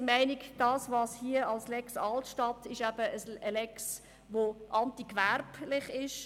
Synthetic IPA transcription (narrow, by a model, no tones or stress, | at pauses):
mæɪnikd̥ɑːsvɑːshiəɑlslɛksɑltʃtɑtːɪʃæb̥əəsəlɛks | ʋoʔɑntikværplɪχɪʃ